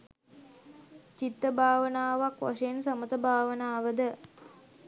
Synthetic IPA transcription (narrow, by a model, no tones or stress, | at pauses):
t͡ʃit̪ːəbʱaːʋənaːʋakʋa̰ʂəensamət̪əbʱaːʋənaːʋəd̪ə